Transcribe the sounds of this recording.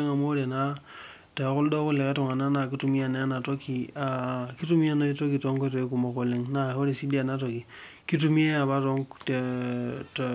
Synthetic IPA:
e˦ŋa˨mo˦ɾe˨na˦ | te˨ku˦ldo˦ku˦le˨ke˦to˨ŋa˨na˦na˨ki˦tu˦mi˦a˨na˦a˦na˨to˦ki˨a˨ki˦tu˦mi˦a˦na˦i˦to˦ki˨to˦ŋke˦to˨i˦ku˨ma˨ko˨le˨ŋna˦˨o˦ɾe˨si˦di˦a˨na˦to˨ki˨ki˦t̬u˦mi˦e˦a˨βa˦to˦ŋtt

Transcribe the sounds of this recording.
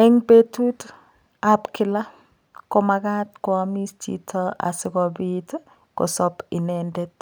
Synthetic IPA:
ɛ˦ŋbe˦tu˦t | a˦pkɪ˦la˦ | kɔ˦ma˨ɡa˦tkwɔ˨a˨mi˦stḭ˦tʰɔ˦a̰˨sɪ˦kɔ˨bit | kɔ̰˨sɔ˦pɪ˨nɛndɛ˦t

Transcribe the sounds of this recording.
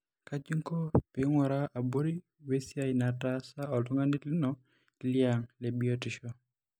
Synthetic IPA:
ka˦t͡ʃi˦ŋkɔ˦pɪ˦ŋwɔ˨ɾa˦ʔa˨bo˦ɾi˦ | we˦sja˦ɪna˨ta˦sa˦ɔ˨lʊ˦ŋa˦ni˦tlɪ˦nɔ˦ | lja˨ŋle˨bi˦ɔ˦tɪ˨ʃɔ˦

